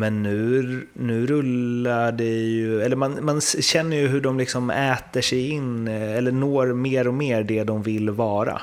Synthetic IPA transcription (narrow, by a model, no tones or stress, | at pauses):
mɛnːʉ̟ː | nʉ̟ːɾɵlːaɖɛjɵɛlːəɾmanmanɕɛnːəɾjɵɦɵɖɔmlɪksɔmɛːt̪əʂɛjɪnɛlːənoːɾmeːɾɔmeːɾɖ̪ɛd̪ɔmvɪlvɑːɾa̰